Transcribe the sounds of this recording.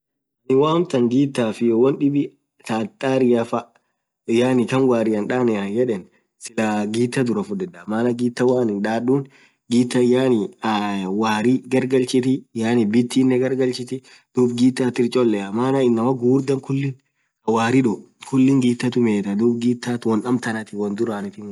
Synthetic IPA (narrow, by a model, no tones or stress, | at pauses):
nɪwaːmt̪ɐŋɡiːt̪ːaːfɪjɔwɐnᶑɪbɪ | t̪aːt̪ʼːaːɾɪjɐfɐ | ɪjaːnɪkɐnwaːɾɪjɐnᶑaːnɛɐjɛᶑɛn | sɪlaɡiːt̪ːɐd̪ʊɾɐfʊd̪ɛᶑɐmaːnɐɡiːt̪ːɐwaːnɪnᶑaːɗuːn | ɡiːt̪ːɐjaːnɪ | waːɾiɡɐɾɡɐlt͡ʃɪt̪ɪjaːnɪbɪt̪ːiːnːɛɡɐɾɡɐlt͡ʃɪt̪ɪ | d̪̥uːbɡiːt̪ːɐt̪ɪɾt͡ʃʼɔlːɛɐmaːnɐɪnːɐmɐɡuːɾd̪ɐŋkʊlːɪn | ɐwaːɾɪᶑʊ | kʊlːɪŋɡiːt̪ːɐt̪ʊmeːt̪ɐd̪uːbɡiːt̪ːaːt̪wɐnɐmt̪ɐnɐt̪ɪwɐnd̪ʊɾaːnɪt̪ɪ